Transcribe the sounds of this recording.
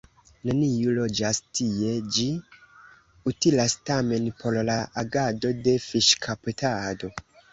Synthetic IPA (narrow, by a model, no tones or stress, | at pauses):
nanijulo̞d͡ʒastʰie̞d͡ʒi | utilastame̞npʰollaʔaɡado̞de̞fiʃkʰaputʰado̞